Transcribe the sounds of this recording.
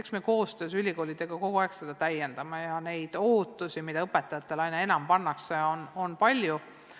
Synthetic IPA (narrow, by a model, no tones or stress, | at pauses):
eksmeko̞ːst̪ø̞ːsylʲiko̞ːlʲid̪̥e̞ɡ̥ɑko̞ɡ̥uɑekse̞d̪̥ɑt̪æje̞nd̪̥ɑmɑjɑne̞jd̪̥oːt̪ːˑusimid̪̥ɑɤpːe̞t̪ːˑɑjɑt̪ːˑe̞lɑjnɑe̞nɑmpɑnːɑkseono̞npɑlʲju